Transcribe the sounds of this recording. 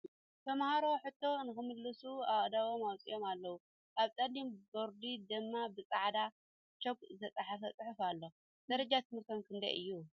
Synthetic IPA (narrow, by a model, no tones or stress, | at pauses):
t̪ʰɐmahaɾo̞ħɨt̪ʰːo̞nɨxɨmɨllɨsuawʼd̪awomawt͡sʼḭjo̞malːɐwu | ʔaβt̪ʼɐlimboɾd̪id̪ɨmːabɨt͡sʼaʕd̪a | t͡ʃoɡʼzɐt͡sʼaħafɐt͡sʼɨħɨfalːo | d̪̥ɐɾɐd͡ʒat̪ʰɨmɨɾt̪ʰomkʰɨnd̪ɐ̰jʔɨ̰jːu